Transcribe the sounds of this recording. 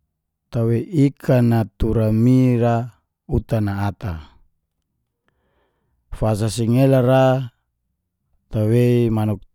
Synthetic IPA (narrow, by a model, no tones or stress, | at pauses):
t̪aweikʰanat̪uɾamiɾa | ut̪anaːt̪a | fas̬asiŋelaɾa | t̪aweimanuk̚